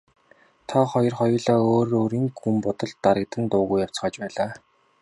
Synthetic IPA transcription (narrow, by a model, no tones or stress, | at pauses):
t̪ʰɔχɔjɞ̆rχɔjɞ̆ɮaːoːɾoːɾiːŋɡumpʊt̪ɞ̆ɮt̪ːaɾə̆k̚t̪ə̆nt̪ʊːɣujaw̥t͡sχɔːt͡ɕpæːɮaː